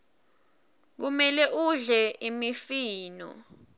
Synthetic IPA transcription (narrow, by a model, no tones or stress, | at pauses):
k̬umɛlɛʔuɮɛimifiːnɔ̰